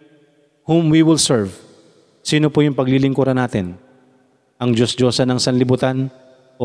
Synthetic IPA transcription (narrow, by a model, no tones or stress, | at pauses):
humwiwɪlsɛɹv | siːnopojʊŋpɐɡlilɪŋkoɾɐnaːt̪ɪn | ʔɐŋd͡ʒosd͡ʒo̞ːsɐnɐŋsɐnlɪbut̪an | o